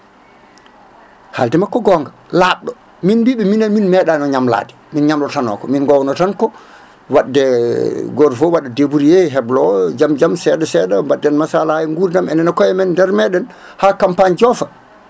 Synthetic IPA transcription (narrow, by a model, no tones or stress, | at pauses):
haldɛmakːɔɡɔŋɡa | laɗɔ | minbiɓɛminaminmɛɗanɔɲamla̰ːdɛminɲamlɔtanɔ̰kɔminɡɔwnɔtankɔ | waɗːɛɡɔɾfɔwaɗɛdebuɾijeɦɛblɔd͡ʒamd͡ʒamsɛdɛsɛɗawadːɛnmasalajɛŋɡuɾnamɛnɛnakɔjɛmɛndɛɾmɛɗɛnhakampaɲd͡ʒɔfa